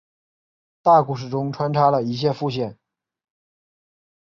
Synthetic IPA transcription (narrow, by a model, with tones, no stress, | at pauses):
t̪a˥˩ku˥˩ʂ̬ɻ̩˨˩ʈ͡ʂʊ˥ŋʈ͡ʂʰwa˥nʈ͡ʂʰa˥lə˨i˧˥ɕ̬jɛ˥˧fu˥˧ɕ̬jɛ˥˩n